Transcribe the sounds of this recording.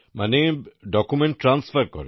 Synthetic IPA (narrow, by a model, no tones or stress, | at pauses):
maneɖɔkumeɳʈːɾansfaɾkɔ̰ɾe